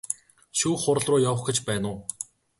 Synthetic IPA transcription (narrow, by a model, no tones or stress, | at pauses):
ʃuːχʊɾ̆ɮrʊːjawə̆χɡɘ̆t͡ɕpæːnʊː